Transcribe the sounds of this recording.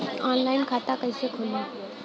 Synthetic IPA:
ɔːnlaɪnkʰat̪akəjsekʰola

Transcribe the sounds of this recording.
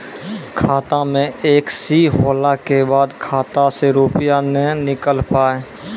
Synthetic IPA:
kʰaːt̪amẽeːksiɦoːlakebaːd̪kʰaːt̪aseɾuːpɪjanenɪkəlpaːe

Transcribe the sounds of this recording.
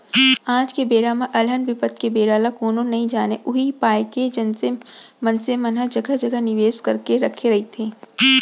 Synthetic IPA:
ãːd͡ʒkebeːɾamãʔɐlɦənʋɪpət̪kebeːɾaːlakoːnonɐɦĩd͡ʒaːneʔʊɦipaːjked͡ʒɐnsemɐnsemɐnɦəd͡ʒɐɡʱəd͡ʒɐɡʱənɪʋeːskɐɾkeɾɐkʰeɾɐɦit̪ʰeː

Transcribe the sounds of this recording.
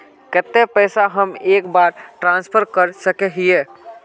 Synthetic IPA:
kɛt̪ːepɛːsaɦəmeːkbaːɾʈɾãːnspʰəɾkəɾsəkeɦieː

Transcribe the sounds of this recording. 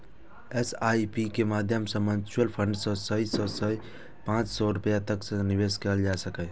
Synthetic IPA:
esajpikemad̪ʱjəmsə̃mənt͡ʃuəlpʰəɳɖsə̃səisə̃səi | pãt͡ʃsɔɾupjat̪əksə̃nibeskeld͡ʒasəkɛ

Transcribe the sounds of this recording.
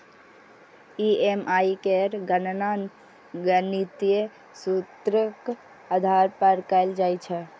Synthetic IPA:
iemaikeɾɡənnan | ɡənit̪ije | sut̪ɾək | ad̪ʱaɾpəɾkaɪld͡ʒajt͡ʃʰɛ

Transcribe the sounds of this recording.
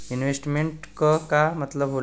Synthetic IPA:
inʋesʈmeɳʈkəkamət̪ləbɦol

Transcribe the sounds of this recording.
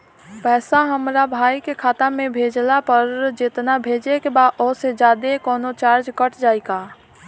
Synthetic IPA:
pɛːsaɦəmɾabʱaːikekʰaːt̪amẽbʱeːd͡ʒlapəɾd͡ʒɪt̪nabʱeːd͡ʒekebaːɔːsed͡ʒaːd̪ekɔːnot͡ʃaːɾd͡ʒkəʈʰd͡ʒaːiɡaː

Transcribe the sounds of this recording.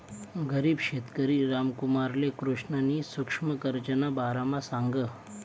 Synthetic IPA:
ɡəɾiːbɕet̪kəɾiɾamkumaɾlekɾuʂɳənisukʂməkəɾt͡ɕənabaɾamasãŋɡə

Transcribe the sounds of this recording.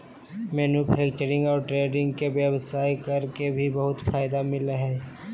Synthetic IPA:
mɛːnupʰɛːk̚t͡ʃəɾɪ̃ŋɡɔːɾʈɾeːɖɪ̃ŋɡkeʋjəwsaːikɐɾkebʱibɐɦʊt̪fʰaːjd̪amɪlɦɛː

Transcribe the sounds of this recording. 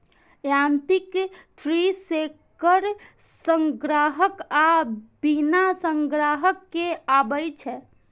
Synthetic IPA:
jant̪ikt̪ʰɾisekəɾ | səŋɡɾaɦəkabinasəŋɡɾaɦəkːeabəjt͡ʃʰɛ

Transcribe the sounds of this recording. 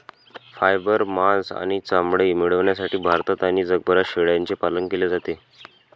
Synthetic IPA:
fajbəɾmasa̰ɽ̃it͡samɽemiɽəʋɳjasaʈiːbʱaɾt̪at̪añid͡zəɡ̚bʱəɾaɕeɽjant͡sepaləŋkeled͡zat̪e

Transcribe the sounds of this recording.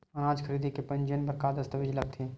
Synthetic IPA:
ɐnaːd͡ʒkʰəɾiːd̪ʱikepɐ̃nd͡ʒənbɐɾkaːd̪ɐst̪əʋɪd͡ʒləb̚t̪ʰẽ

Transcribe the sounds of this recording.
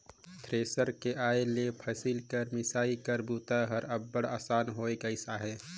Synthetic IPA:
t̪ʰɾeːsəɾkeʔaːelepʰəsilkəɾmɪsaːikəɾbuːt̪aɦəɾɐbːəɽaːsaːnɦoːeɡəɪsaɦɛː

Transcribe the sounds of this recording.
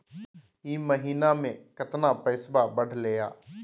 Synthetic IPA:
iːməɦiːnaːmẽːkət̪naːpəɪsbaːbəɽ̤leːja̰ː

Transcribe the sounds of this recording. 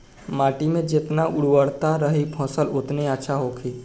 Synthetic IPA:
maːʈimẽd͡ʒet̪naʔʊɽwəɽt̪aɾəɦipʰɔ̃ːsəlʊt̪neətːʃʰaɦokʰiː

